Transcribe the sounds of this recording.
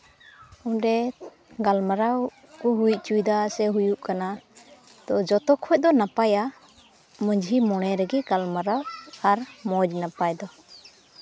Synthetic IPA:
uɖɛ | ɡalmaɾaw | kɔɦujc̚t͡ʃujd̪asɛɦujuʔkana | t̪ɔd͡ʒɔt̪ɔkʰɔc̚ˀd̪ɔnapaja | məɲd͡ʒʱimɔɽ̃ɛɾɛɡiɡalmaɾawaɾmɔd͡ʒnapajd̪ɔ

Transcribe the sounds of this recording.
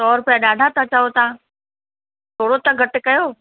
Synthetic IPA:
t̪ɔːɾpɐjaɗaːɖʱat̪ʰãt͡ɕaːɦot̪ã | t̪ʰoːɽot̪ãɡʱɐʈʊ̆kɐjoː

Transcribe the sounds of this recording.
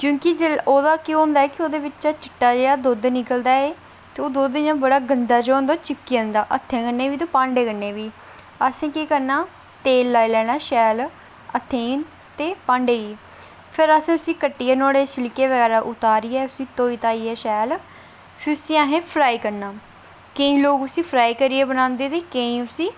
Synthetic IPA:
kjõːkɪd͡ʒeoːd̪aːkeõːnd̪aːɛːkɪoːd̪eːʋɪt͡ʃt͡ʃaːt͡ʃɪʈːaːd͡ʒeːɽaːd̪oːd̪nɪkəld̪aːeː | t̪eːoːd̪oːd̪jãːbəɽaːɡənd̪aːd͡ʒaːnd̪aːt͡ʃɪkːiãnd̪aːʔət̪ʰːẽːkənːeːʋiːt̪oːpãːɳɖeːkənːeːʋiː | əsẽːkeːkəɾnaː | t̪eːlːaːilɛːɽ̃aːʃɛːl | ət̪ʰːẽːĩːn | t̪eːpãːɳɖeːiː | pʰɪɾəsẽːʊsĩːkəʈːiːɛːnɔːɽeːsɪlkeːʋəɡɛːɾaːʔʊt̪aːɾiːɛːʊsĩːt̪oːiːt̪aːiːɛːʃɛːl | pʰɪɾʊsĩːãːɦẽːpʰɾaːiːkəɾnaː | keĩːloːkʊsĩːpʰɾaːiːkəɾiːeːbənãːnd̪eːt̪eːkẽĩːʊsĩː

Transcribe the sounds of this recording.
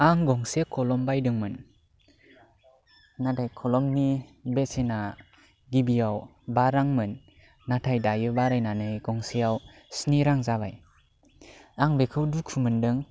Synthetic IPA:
aŋɡɔŋsekʰɔlɔmbajdɯŋmɯn | nadajkʰɔlɔmnibesena | ɡibijaw | baɾaŋmɯnː | atʰajdajɯbaɾajnanɯjɡɔŋsejaw | sniɾaŋzaba̰j | aŋbekʰɯwdukʰumɯndɯŋ

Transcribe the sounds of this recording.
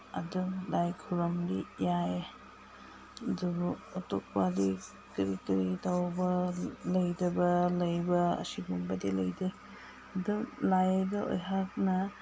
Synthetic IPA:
ɐ̰dulajkʰuɾɐmdijaje | dubɐtok̚wadi | kɾikɐɾitawbɐlɐjdɐbɐlɐjbɐɐ̰siɡumbɐdilɐjde | ɐdulajdɐo̰jɦak̚nɐ

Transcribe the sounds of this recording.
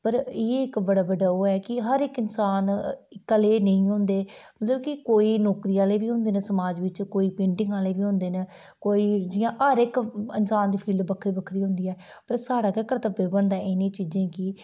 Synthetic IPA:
pəɾeːɪkbəɽaːbəɖaːoːɛːkɪɦəɾɪkɪnsaːnkəleːnəĩːɦʊ̃ːnd̪eːmət̪ləbkɪkoːiːnɔːkɾiːaːleːbiːɦʊ̃ːnd̪eːnəsəmaːd͡ʒʋɪt͡ʃkoːiːpẽːɳʈɪ̃ŋɡaːleːbiːɦʊ̃ːnd̪eːnə | koːiːd͡ʒɪjãːʔəɾɪkɪnsaːnd̪iːpʰiːld̪bəkʰɾiːbəkʰɾiːɦʊ̃ːnd̪iːɛː | pəɾsaːɽaːkəkəɾt̪əbebəɳd̪aːʔɪnẽːt͡ʃiːzẽːkɪ

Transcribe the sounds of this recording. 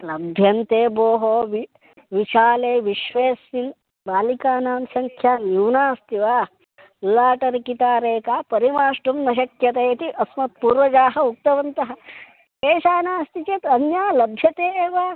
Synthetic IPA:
lɐbʱjɐnt̪eːboːɦoːʋi | ʋiʃaːleːʋiʃʋeːsin | baːlikaːnaːmsɐŋkʰjaːnjuːnaːst̪iʋaː | laːʈɐɾkit̪aːɾeːkaːpɐɾimaːʂʈumnɐʃ̬ɐkjɐt̪ejt̪iʔɐsmɐt̪̚puːɾʋɐd͡ʒaːɦɐuk̚t̪ɐʋɐnt̪ɐɦɐ̆ | keːʃaːnaːst̪it͡ʃɐt̪ɐnjaːlɐbʱjɐt̪eːeːʋaː

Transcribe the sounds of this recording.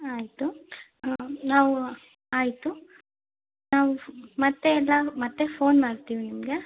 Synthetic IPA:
aːjit̪u | naːʋu | aːjit̪u | naːʋumɐt̪ːeːlːɐmɐt̪ːe̞foːnmaːɾt̪iːʋinimɡe

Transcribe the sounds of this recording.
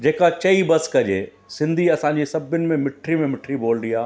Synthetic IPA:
d͡ʑeːkat͡ɕɐibɐskɐd͡ʑḛ | sɪ̃nd̪ʱiɐsãɲd͡ʑisɐbʊnɪ̆mẽmɪʈʰɾimẽmɪʈʰɾiboːld̪iaː

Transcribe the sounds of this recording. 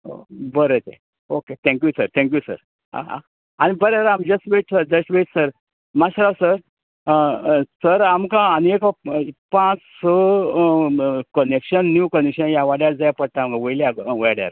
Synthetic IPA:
o̰bəɾet͡sḛ | oket̪ʰɛ̃ŋkjusəɾt̪ʰɛ̃ŋk̬jusə̰ɾ | a̰ | anibəɾeɾamd͡ʑəstʋeʈsəɾd͡ʑəsʈʋeʈsəɾ | maɕɾawsəɾ | səɾamkãːnekɔpãt͡ssɔ | kənekɕənːjukənekɕənjaʋaɽjaɾd͡zajapəɽt̪aamkãʋəjljaʋaɽja̰ɾ

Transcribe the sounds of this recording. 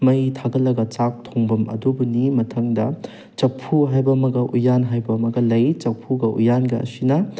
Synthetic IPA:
mɐjtʰaɡɐlːɐɡɐt͡ʃak̚tʰoŋbɐmɐ̰dubunimɐtʰɐŋdɐ | t͡ʃɐpʰuɦajbɐmɐɡɐʔujanɦajbɐmɐɡɐlɐjt͡ʃɐpʰːuɡɐʔujanɡɐɐ̰sinɐ

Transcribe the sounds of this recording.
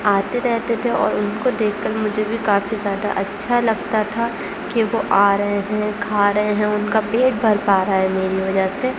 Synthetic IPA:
aːt̪eɾɛɦt̪et̪ʰeɔ̰ːɾʊnkod̪eːkʰkɐɾmʊd͡ʒʱebʱikaːfizjaːd̪a̰ʔɐtːʃʰalɐɡ̚t̪at̪ʰa | kiʋoʔaːɾɐɦeɦɛ̃kʰaːɾɐɦeɦɛ̃ʊnkapeːʈ̚bʱɐɾpaːɾaɦɛmeːɾiʋɐd͡ʒəse

